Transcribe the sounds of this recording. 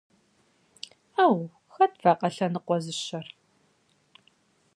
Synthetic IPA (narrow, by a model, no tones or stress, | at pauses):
aːw | xɐtvaːqʼɐɬɐnɨqʷɔzɨɕɐr